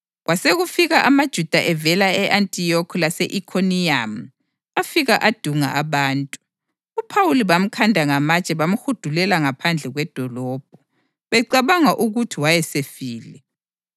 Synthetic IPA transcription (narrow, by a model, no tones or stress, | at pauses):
ɣwaseɣufiɣaʔamad̥ʒ̥ʱud̥ʱaʔɛvɛlaɛʔantʼiɔkʰɔlasɛʔikʰoniam̩ | afiɣaʔad̥ʱuŋa̰ʔaβaːntʼu | upʰawuliβam̩kʰandʱaŋamat͡ʃʼɛβam̩xud̥ʱulɛlaŋapʰand͡ɮʱɛɣwɛd̥ʱɔlɔːb̥̚ʱɔ | βɛǀaβaŋaʔuɣutʰiwajɛsefiːlɛ